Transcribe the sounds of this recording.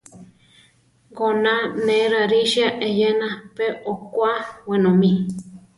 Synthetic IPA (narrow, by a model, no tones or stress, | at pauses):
ɡonãnẽɾaɾiʃiaʔejenãpeʔokwawenõmĩ